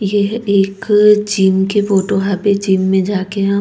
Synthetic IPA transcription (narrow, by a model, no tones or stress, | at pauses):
jeeːkt͡ʃiːmkefoːʈoɦabet͡ʃiːmːẽd͡ʒaːkeɦɛ̃